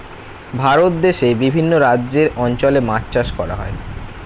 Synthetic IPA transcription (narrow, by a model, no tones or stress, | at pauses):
bʱaɾot̪̚d̪eʃebibʱinːoɾad͡ʑʑeɾɔnt͡ɕolematt͡ɕaʃkɔɾa̰ɦɔe